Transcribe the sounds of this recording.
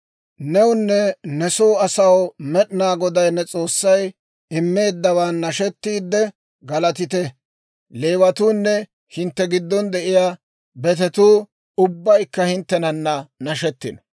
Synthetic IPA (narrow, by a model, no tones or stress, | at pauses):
nɛwʊnːɛnɛsoːɐsɐwmɛɗɪnaːɡɔd̪ɐjnːɛt͡sʼo̞ːsːɐj | ɪmːe̞ːd̪ːɐwanːɐʃɛt̪ːiːd̪ːɛ | ɡɐlɐt̪ɪt̪ɛ | le̞ːwɐt̪uːnːɛ | hɪnt̪ːɛɡɪd̪ːɔnd̪ɛʔɪjaː | bɛt̪ɛt̪uː | ʊbːɐjkːɐhɪnt̪ːɛnɐnːɐnɐʃɛt̪ːɪnɔ̥